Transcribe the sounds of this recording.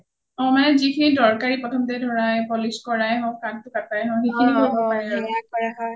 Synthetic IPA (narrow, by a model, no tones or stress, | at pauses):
ɔ̃manɛzikʰinidɔɹkaɹipɹɔtʰɔmtɛdʱɔɹajpɔliskɔɹajɦɔ̃kantʊkatajɦɔ̃xekʰiniɦoɹibɔpaɹɛɔaɦɔj